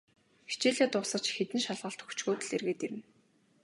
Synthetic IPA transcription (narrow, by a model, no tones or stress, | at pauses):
xi̥t͡ɕeːɮeːt̪ʊsə̆t͡ɕxet̪ɘ̆nʃaɮʁə̆ɬt̪xɵ̥kʰt͡ɕɣoːt̪ɘ̆ɮerɣeːt̪eɾɘ̆n